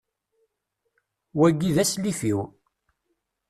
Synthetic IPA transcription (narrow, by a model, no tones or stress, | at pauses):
wæɡːiðæslifiw